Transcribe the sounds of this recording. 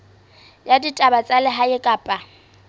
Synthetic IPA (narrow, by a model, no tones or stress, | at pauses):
jaditʼabat͡sʼalɪɦaɪkʼaːpʼa